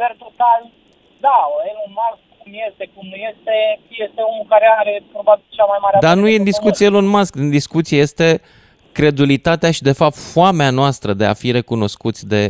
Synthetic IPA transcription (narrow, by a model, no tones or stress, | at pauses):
pert̪ot̪al | d̪aelonmaskkumje̞st̪ekumnuje̞st̪eje̞st̪e̞onulkaɾeaɾepɾo̞babilt͡ʃamajmaɾead̪anujed̪iskut̪sijeelonmasknd̪iskut̪sieje̞st̪e̞ | kɾe̞d̪ulit̪at̪eaʃid̪e̞fap̚t̪foameanoast̪ɾəd̪e̞a̰fiɾe̞kuno̞skut̪sʲd̪e̞